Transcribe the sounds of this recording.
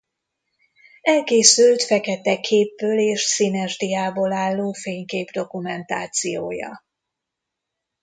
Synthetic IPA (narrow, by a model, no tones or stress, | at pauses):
ɛlkeːsylt̪fɛkɛt̪ɛkʰeːbːøːleːʃsinɛrd̪ijaːboːlaːlːoːfeːɲkeːbd̪o̞kumɛnt̪a̰ːt̪sijo̰ːjɒ̰